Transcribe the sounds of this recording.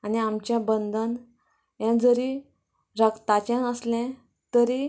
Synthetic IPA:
aniamt͡ɕjabənd̪ʱən | jɛ̃d͡zəɾi | ɾəkt̪at͡ɕãnəslɛ̃ | t̪əɾiː

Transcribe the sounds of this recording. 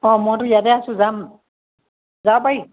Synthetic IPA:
ɔ̃mɔjtʊijatɛasʊ̃zam | zawpai

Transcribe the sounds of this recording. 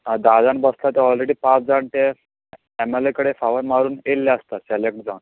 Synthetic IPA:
ad̪ad͡zãnbəslat̪eɔlɾeɽiːpãt͡sd͡zaɳt̪eː | mɛlekəɽefaʋəɾmaɾuːnelːaəst̪aselek̚ʈ̚d͡zan

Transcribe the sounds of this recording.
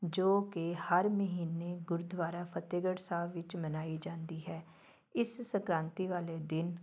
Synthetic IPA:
d͡ʒoːkehəɾməɦiːneːɡʊɾd̪ʋaːɾaːpʰət̪eːɡəɽsaːʋɪt͡ʃmənaːiːd͡ʒãːnd̪iːɦɛː | ɪssəkɾãːnt̪iːʋaːleːd̪ɪn

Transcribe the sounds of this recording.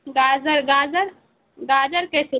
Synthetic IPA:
ɡaːd͡ʒəɾɡaːd͡ʒəɾ | ɡaːd͡ʒəɾkesɪ

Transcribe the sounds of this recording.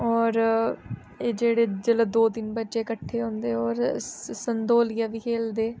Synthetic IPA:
ɔːɾ | eːd͡ʒeːɽeːd͡ʒələːd̪oːd̪ɪnbətːt͡ʃeːkəʈʰːeːɦõːnd̪eːɔːɾsənd̪oːlɪjaːʋiːkʰeːld̪eː

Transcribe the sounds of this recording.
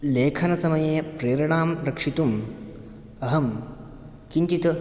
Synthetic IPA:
leːkʰɐnɐsɐmɐjeːpɾeːɾɐɳaːmɾɐkʂit̪um | ɐɦɐm | kiɲt͡ʃit̪ɐ

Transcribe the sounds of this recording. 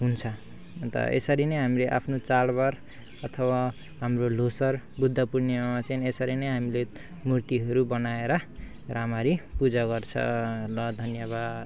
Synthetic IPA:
ɦunt͡sʰʌ | nt̪ʌ̰ʔḛsʌɾinʌjɦamileʔa̰pʰnot͡salbaɾ | ʌt̪ʰʌwa | ɦamrolosʌrbud̪ʱːʌpurnemamat͡sʌinesʌɾinʌjɦamile | murt̪iɦʌɾubʌnaeɾʌ | ramaɾipud͡zaɡʌrt͡sʰʌ̰lʌd̪ʱʌnjʌβad̪

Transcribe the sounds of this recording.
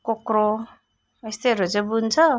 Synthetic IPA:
kokɾo | est̪eʌɾud͡zebunt͡sʰʌ

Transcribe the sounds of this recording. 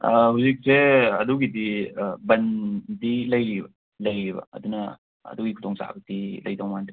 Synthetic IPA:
ɐhuzik̚seɐ̰duɡidibɐndilɐjɾibɐ | lɐjɾibɐ̰ɐ̰dunɐ | ɐ̰duɡikʰutʰɔŋsa̰bɐdilɐ̰jdɔwmand

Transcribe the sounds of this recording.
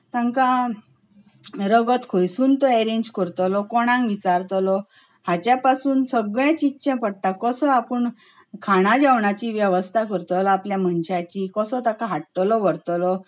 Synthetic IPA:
t̪ãŋka | ɾəɡət̪kʰojsuːnt̪ɔeɾeɲd͡ʑkəɾt̪ɔlɔkɔɽ̃ãŋɡʋit͡ɕaɾt̪lɔ | hat͡ɕjapasuːnsəɡɭẽt͡ɕitːɕẽpəɽt̪akɔsɔapəɳ | kʰaɽ̃ãd͡ʑaʋɳat͡ɕiʋjəʋəst̪ʰakəɾt̪ɔlɔapljaməɳɕat͡ɕikɔsɔt̪akaɦaʈːlɔʋəɽt̪ɔlɔ

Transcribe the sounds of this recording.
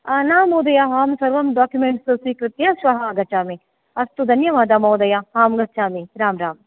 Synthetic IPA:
anaːmoːd̪ɐjaɦaːmsɐɾʋɐmɖaːkjumeːɳʈsosiːkɾɪt̪jasʋɐɦaːɡɐt͡ʃaːmi | ɐst̪ud̪ʱɐnjɐʋaːd̪amoːd̪ɐjahaːmɡɐt͡ʃaːmiɾaːmɾaːm

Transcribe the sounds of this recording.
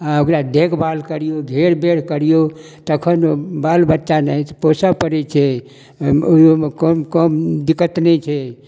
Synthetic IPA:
aokɾad̪ekʰbalkəɾijoɡʱeɾbeɽ̤kəɾijo | t̪əkʰənbalbətːʃanət̪posapəɾɛt͡ʃʰɛ | ookəmkəmd̪ikːət̪nɛt͡ʃʰɛ

